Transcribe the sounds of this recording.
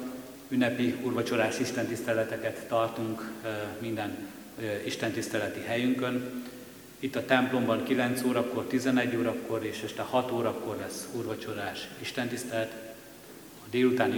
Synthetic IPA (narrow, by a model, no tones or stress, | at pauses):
ynːɛpiurvɒt͡ʃo̞ɾaːʃiʃt̪ɛnt̪ist̪ɛlɛt̪ɛkɛt̪ːɒrt̪uŋkmind̪ɛn | iʃt̪ɛnt̪ist̪ɛlɛt̪iɦɛjyŋkø̞n | it̪ːɒt̪ɛmplo̞mbɒŋkilɛnt̪soːɾɒpkːo̞rt̪izɛnɛɟːoːɾɒpko̞ɾeːʃɛʃt̪ɛhɒt̪oːɾɒpko̞rlɛsurvɒt͡ʃo̞ɾaːʃiʃt̪ɛnt̪ist̪ɛlɛt̪ | ɒd̪eːlut̪aːn